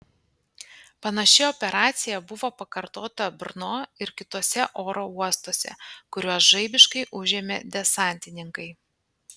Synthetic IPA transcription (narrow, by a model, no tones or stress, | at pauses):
pɐnɐʃʲɪɔpʲɛɾɑːt̪sʲɪjɛbʊʋoːpɐkɐɾt̪oːt̪ɐbʲɾnoːɪɾkʲɪt̪oːsʲɛʔoːɾoːuɔst̪oːsʲɛ̰kʊɾʲuɔsʒɐɪbʲɪʃkɐɪʔʊʒʲeːmʲed̪ʲɛsɑˑnʲt̪ʲɪnʲɪŋkɐɪ